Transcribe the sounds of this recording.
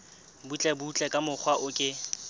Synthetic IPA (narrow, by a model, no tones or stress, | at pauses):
but͡ɬʼɛbut͡ɬʼɛkʼamʊk͡xʰwaʔʊkʼɪ